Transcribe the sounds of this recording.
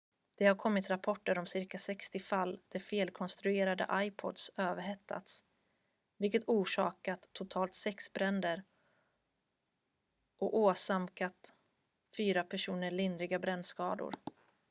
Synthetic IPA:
d̪̥ɛhaɾkʰɔmːɪt̪ɾapʰɔʈːəɾɔmsɪɾkasɛkst̪ɪfalːd̪̥ɛfeːlkʰɔnst̪ɾɵeːɾad̪ə̰ʔajpʰɔ̰d̪søːvəhɛt̪ʰːa̰t̪s | vɪlkət̪uːʂɑːkat̪ʰːʊt̪ʰɑːlt̪sɛksbɾɛnd̪əɾ | ʔɔoːsamkat̪ | fyːɾapʰæʂuːnəɭɪnd̪ɾɪɡabɾɛnd̪skɑːd̪ʊ̰ɾ

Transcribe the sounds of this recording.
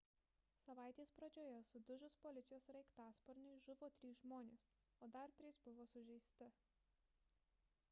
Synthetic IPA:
sɐʋɑˑɪt̪ʲeːspɾɐd͡ʒʲoːjɛsʊd̪ʊʒʲʊspɔlʲɪt̪sʲɪjoːsɾɛɪkt̪ɑːspɔɾʲnʲɪʒʊʋoːt̪ʲɾʲiːsʒmoːnʲes | oːd̪ɐɾt̪ʲɾʲɪːsbʊʋoːsʊʒʲɛɪsʲt̪ʲɪ

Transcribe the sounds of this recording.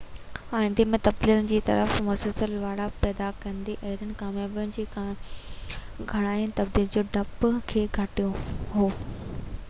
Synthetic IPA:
aːɪ̃nd̪ɪmẽt̪ɐbd̪iːlənɪ̆d͡ʑiːt̪ɐ̰ɾəfmɐsəlsəlʋaːɽapɛːd̪akɐ̃nd̪iʔɐɦɪɾənɪ̆kaːmjaːbjʊnɪ̆d͡ʑiː | ɡʱɐɽ̃aːɪʊnɪ̆t̪ɐb̚d̪iːld͡ʑoːɖʱɐpkʰeːɡʱɐʈijoɦoː

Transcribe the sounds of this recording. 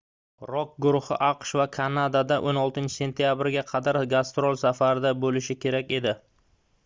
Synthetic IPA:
ɾɒk̚ɡʊɾʊhɪ̰ʔɑqʃvakʰanad̪ad̪aʔonɒlˠt̪ɪnt͡ʃʰɪ̥se̞nt̪ʰijabɪɾɡʲaqʰɑd̪aɾɡast̪ɾolˠsafaɾɪd̪abolɪʃɪkʲʰe̞ɾakʲe̞d̪ɪ

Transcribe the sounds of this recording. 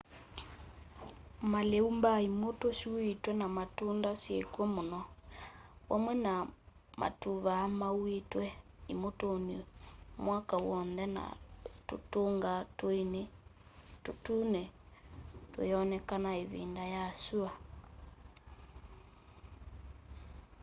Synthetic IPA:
maleumbaimotoʃuetwɛnamatundasjekwɛmonɔ | wʔamwɛna | mʔa̰tuβaːmawetwɛimotonimwakawɔnðɛna̰totoŋɡatne | totunɛ | tweeɔnɛkanaeβḭndajaːsua

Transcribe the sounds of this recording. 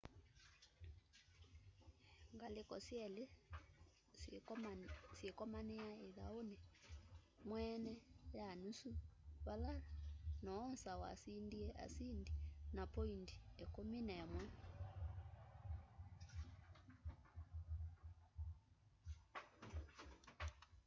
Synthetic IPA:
ŋɡalekɔsjɛle | sekɔmanɛaeða̰onɛ | mwɛnɛjanusuβalalanɔɔnsawa̰sindiɛʔa̰sindinapɔindiɛkominɛmwɛ

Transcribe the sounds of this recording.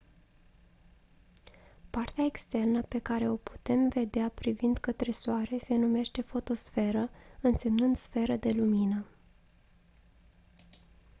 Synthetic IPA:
part̪eaekst̪e̞rnəpe̞kaɾe̞o̞pu̥t̪e̞mve̞d̪eapɾivind̪kət̪ɾe̞soaɾe̞se̞nume̞ʃt̪e̞fo̞t̪o̞sfe̞ɾəɨnse̞mnɨnd̪sfe̞ɾəd̪e̞luminə

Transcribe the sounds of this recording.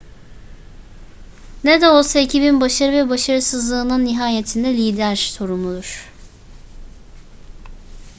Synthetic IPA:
ned̪ɛo̞lˠsaecʰibinbaʃaɾɯvɛbaʃaɾɯsɯzlˠɯːnɯnːiɦaːjet̪ʰind̪ɛlʲiːd̪æɾso̞ɾumud̪uɾ̥

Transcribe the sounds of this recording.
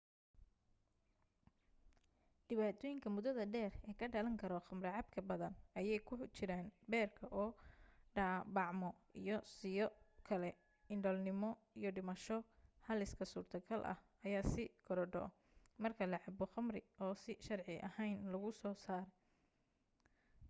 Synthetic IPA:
ɖɪβaːt̪ʰɔːjɪŋkʰɐmʊðɐðɐɖɛːrɛːkʰɐɖɐlɐŋkʰɐɾɔχɐmrɪʕɑbkʰɐbɐðɐnɐjɛjkʰʊħt͡ʃɪɾaːnbɛːrkʰɐʔɔːɖɐbɑʕmɔ | ḭjɔsɪjɔkʰɐlɛ | ɪɳɖɔlnɪmɔ | ijɔɖɪmɐʃɔhɐlɪskʰɐsuːrt̪ʰɐɡɐlʔɐ̰hʔɐjaːsɪɡʰɔɾɔɖɔ̰ | mɐrkʰɐlɐʕɑbɔχɐmrɪɔːsɪʃɐrʕɪʔɐ̰hɛjnlɐɣʊsɔːsaːɾ

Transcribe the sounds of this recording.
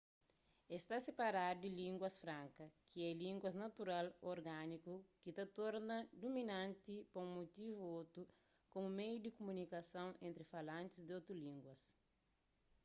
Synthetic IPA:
est̪asepaɾaɾd̪ilĩŋɡwɐsfɾãŋkɐkʰiɛlĩŋɡwɐznɐt̪uɾaloɾɡanikukit̪ɐt̪oɾnɐd̪uminãnt̪ipɐũŋmot̪ivuot̪ɾu | komumejud̪ikumunikɐsɐ̃w̃ẽnt̪ɾifalãnt̪izd̪ot̪ɾulĩŋɡwɐs

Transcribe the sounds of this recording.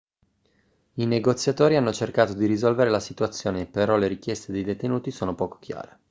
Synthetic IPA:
ineɡot̪sːjat̪oːɾianːot͡ʃerkaːt̪od̪iɾizɔlveɾelasit̪uat̪sːjoːneːpːeɾɔleɾikjɛst̪ed̪ejd̪et̪enuːt̪isoːnopɔːko̥kja̰ːɾe

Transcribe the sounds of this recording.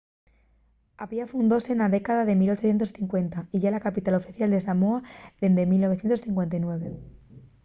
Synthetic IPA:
apiafund̪ose̞naðe̞kaðaðe̞milo̞t͡ʃoθjet̪o̞sθiŋkwe̞nt̪aiʝalakapit̪alo̞fiθjald̪e̞samoaðe̞nd̪emilno̞βθjet̪osθiŋkwe̞nt̪ajnwe̞β̞e̞

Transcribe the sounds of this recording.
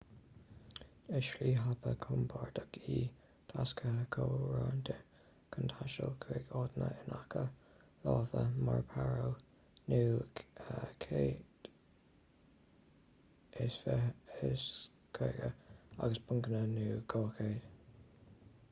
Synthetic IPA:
ɪʃliːɦabəkʰʊmbʰaɹd̪əɡiː | t̪ʰaskəkʰoːɹaːnd̪ɪ | kʰənt̪ʰaʃəlkʰɾeɡɔːd̪nə̰ɪnakʰə | lɑːvəmaɹpʰaɹow | nuːəkʰeːd̥ | ɪsfəɪs | kʰɾeɡəa̰ɡəsbʰʊŋkənənuːɡɔːkʰeːd̥

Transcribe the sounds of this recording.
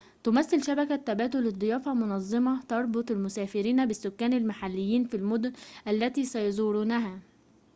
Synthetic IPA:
t̪ʊmæθːɪlʃæbækæt̪ːæbæːt̪̬ʊlːɨd̪ˤːɨjɑːfæmʊnɑzˤːɑmɑt̪ɑɾˤbot̪ˤɪlmʊsæːfɪɾiːnæbɪsːʊkːæːnalmaħalːɪjːiːnfilmoʊd̪ʊnʔælːæt̪iːsæjɑzˤuːɾuːnæɦæː

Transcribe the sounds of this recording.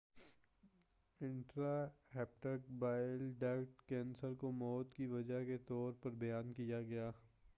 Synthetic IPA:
ɪ̃ɳʈɾaɦɛːpʈək̚baːɪlɖɛːkʈkɛ̃ːnsəɾkomɔːt̪kiʋɐd͡ʒaɦket̪ɔːɾpɐɾbɐjaːnkijaɡɐjaː

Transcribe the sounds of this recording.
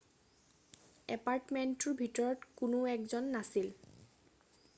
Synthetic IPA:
ɛpaɹtmɛntʊɹbʱitɔɹɔtkʊnʊɛkzɔnːasil

